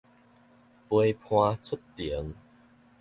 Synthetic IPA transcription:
pwə˧jpʰw̃ãː˧t͡sʰu˦˥tti˨˩˦ə˦ŋ

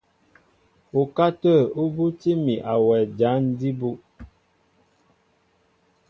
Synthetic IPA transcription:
u˨ka˦tə˦˨u˦bu˦ti˦mi˨ʔa˨wɛ˨d͡ʒa˨˦n̩˦di˦bu˦ʔ

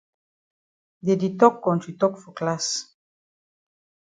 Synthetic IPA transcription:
d̪e˨d̪it̪ɔ˦kːɔ̃˨ntit̪ɔ˦kfo˨klas

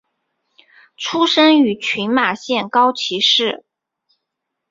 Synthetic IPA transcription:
ʈ͡ʂʰu˥ʂə˥ŋy˧˥t͡ɕʰy˧˥nma˨˩ɕjɛ˥˩nkɑ˥ʊt͡ɕʰi˧˥ʂɻ̩˥˩

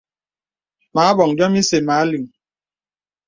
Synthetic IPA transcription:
ma˨˦a˦bɔ˨ŋ˨dɔ˦mi˦se˨ma˨a˦li˨ŋ̩˨

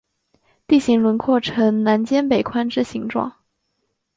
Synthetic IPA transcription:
t̪i˥˩ɕi˧˥ŋlwə˧˥nkʰwɔ˥˩ʈ͡ʂʰɤ˧˥ŋna˧˥nt͡ɕjɛ˥npe˨˩ɪkʰwa˥nʈ͡ʂɻ̩˥˩ɕi˧˥ŋʈ͡ʂwɑ̰˥˩ŋ

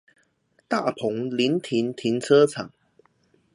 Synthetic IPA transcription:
t̪a˥˩pʰʊ˨˥ŋli˨˧˦nt̪ʰi˨˥nt̪ʰi˨˥˦nt͡sʰɤ˥t͡sʰa˨˩˦ŋ

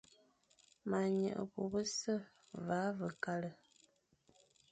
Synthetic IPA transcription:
ma˨ɲə̰˨ʔə̰˨bo̰˨bə˦sə˦˨ | va˨˦və˨ka˦lə˨

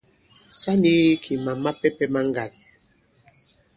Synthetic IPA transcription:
sa˦ndi˦kʰi˨ma˨ma˦pɛ˦pɛ˦ma˦ŋɡa˨l

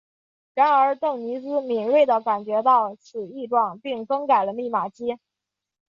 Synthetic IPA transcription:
ɻa˧˥nə˞˧˥t̪ɤ˥˩ŋni˧˥sɹ̩˥mi˨˩ŋwe˥˩ɪd̪ə˩ka˨˩nt͡ɕɥɛ˧˥t̪ɑ˥˩ʊt͡sʰɹ̩˨˩i˥˧ʈ͡ʂwɑ˥˩ŋpi˥˧ŋfɤ˥ŋka˨˩ɪlə˦mi˥˩ma˨˩t͡ɕi˥

